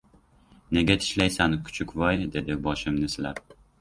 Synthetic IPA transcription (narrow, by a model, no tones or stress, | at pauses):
ne̞ɡʲat̪ʰɪ̥ʃlajsankʰʊ̥t͡ʃʰʊkʲvɒjd̪e̞d̪ɪbɒʃɪmnɪslap̚